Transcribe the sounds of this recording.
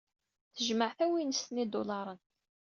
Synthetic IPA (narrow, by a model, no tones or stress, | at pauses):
θəʒməʕθæwinəst̪nid̪olɑɾˤənt̪